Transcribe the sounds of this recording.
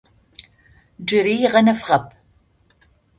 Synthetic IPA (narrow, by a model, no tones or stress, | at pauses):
d͡ʒɨɾiːʁɐnɐfʁɐp̚